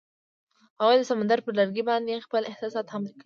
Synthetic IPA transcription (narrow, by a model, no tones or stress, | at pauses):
hawad̪əsamand̪aɾpəɾlaɾɡibɑnd̪expəlʔehsɑsɑːt̪hamlka